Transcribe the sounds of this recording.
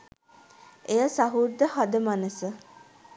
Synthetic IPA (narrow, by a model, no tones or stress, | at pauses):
ejəsaɦud̪ːəhad̪əmanəsə